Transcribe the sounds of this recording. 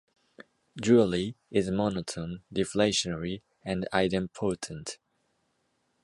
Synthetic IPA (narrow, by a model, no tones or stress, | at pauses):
d͡ʒuliɪzmɑnətʰə̃ndɪfleɪʃənɛɹi | ɨ̃nda̰ɪɾɨ̃mpʰoʊtʰə̃n̩t